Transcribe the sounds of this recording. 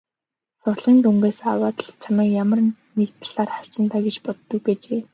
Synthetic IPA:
sʊɮʁiːnt̪uŋɡeːsawaːt̪ə̆ɮt͡ɕʰamaːkjamə̆r | nekt̪ʰɮ̥aːrχaw̥t͡ɕɪ̆nt̪ʰaːɡet͡ɕpɔt̪ːɵ̆k̚pet͡ɕeː

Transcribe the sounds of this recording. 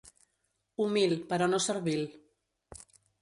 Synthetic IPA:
umilpəɾɔnosəɾβil

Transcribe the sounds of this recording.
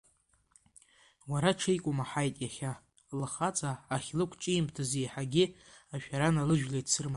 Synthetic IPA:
waɾaʈ͡ʂʰejkʷʼʊmaħajtʼjaχʲa | laχat͡sʼaːχʲlɨkʷʰt͡ʃʼiimtʰazejħaɡʲɪaʃᶣaɾanalɨʒᶣlesʰɨrma

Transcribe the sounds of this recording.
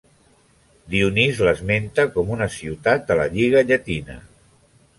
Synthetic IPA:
d̪iunizləzment̪əkɔmunəsiwt̪at̪ələ̰ʎiɣ̞əʎət̪inə̰

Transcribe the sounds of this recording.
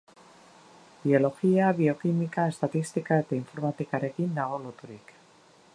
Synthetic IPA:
bio̞lo̞xiaβio̞kimikae̞st̪at̪ist̪ikaet̪aiɱfo̞ɾmat̪ikaɾe̞kind̪aɣ̞o̞lot̪uɾik

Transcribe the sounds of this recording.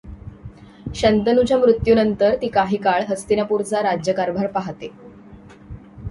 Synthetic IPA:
ɕənt̪ənud͡ʑamɾut̪junənt̪əɾt̪iːkaɦiːkaɭɦəst̪inapuɾt͡saɾad͡ʑjəkaɾbʱaɾpaɦt̪e

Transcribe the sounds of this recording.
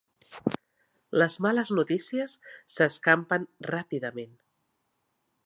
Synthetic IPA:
ləzmaləznut̪isiəsːəskampənrapiðəmen

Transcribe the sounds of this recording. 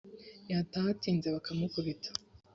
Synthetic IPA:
jataatiːnzeβakʰamukuβitʰḁ

